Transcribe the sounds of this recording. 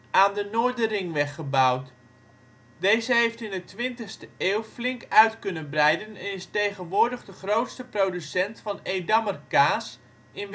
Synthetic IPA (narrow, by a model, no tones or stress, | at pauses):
aːndənoːɹdərɪŋʋɛχəbawt | dejzəɦejftɪndətʋɪntəχstəʔeːwflɪŋkœɥtkɵnənbrɛjdənɛnɪstejχənʋʊːɹdəχdəχrowtstəprodysɛntfɑnejdamərkaːs | ɪn